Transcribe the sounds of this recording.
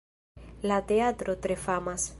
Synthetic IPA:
lat̪eat̪ɾot̪ɾefamas

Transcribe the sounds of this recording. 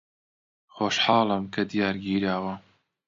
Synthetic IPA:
xoːʃħɑːlˠɨmkʰɐd̪ijaːɾɡiːɾaːwɐ

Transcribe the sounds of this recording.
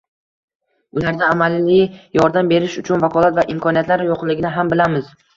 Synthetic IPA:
ʊlaɾd̪aːmalɪjɒɾd̪ambe̞ɾɪʃʊt͡ʃʰʊnvakʰɒlˠat̪vaʔɪmkʰɒnijat̪laɾjoqlˠɪɡʲɪnɪɦambɪlamɪz̥

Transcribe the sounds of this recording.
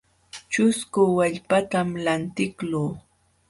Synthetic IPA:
t͡ʃʊskʊwaʎpat̪amlant̪ɪkluː

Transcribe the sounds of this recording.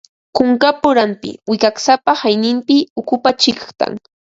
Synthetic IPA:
kʊŋkapʊɾampɪ̰wɪkaksapahajnɪmpɪʊkʊpat͡ʃɪkχt̪a̰ŋ

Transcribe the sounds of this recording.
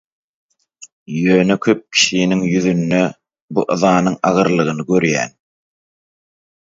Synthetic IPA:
jøːnekʰø̞p̚kʲʰi̥ʃiniŋjyðynːø | buʔɯðɑːnɯŋɑʁɯɾlˠɯʁɯnɯɡø̞ɾjæ̰ːn

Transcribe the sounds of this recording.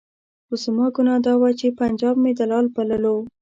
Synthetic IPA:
ʊzmɑɡʊnɑd̪ɑwat͡ʃepand͡ʒɑb̚med̪əlɑlbaləlo

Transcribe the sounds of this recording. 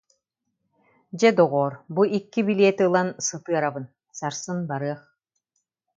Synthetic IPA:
d͡ʑɛd̪ɔʁɔːɾbuikːibileɛt̪iɯlˠansɯt̪ɯɐɾabɯn | saɾsɯnbaɾɯɐχ

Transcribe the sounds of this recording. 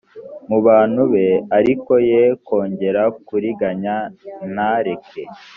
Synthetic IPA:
muβaːn̥huβe̞aɾiko̞jeko̞ːɲɟe̞ɾakuɾiɡaɲanaɾe̞ke

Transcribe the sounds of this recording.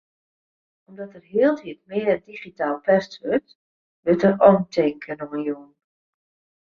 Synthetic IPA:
ɔmdɔtərɦiəlˠtiət̚mɪədiχitaːlˠpʰɛstʋørt | ʋøtərɔntʰɪŋkʰənɔmənjoən

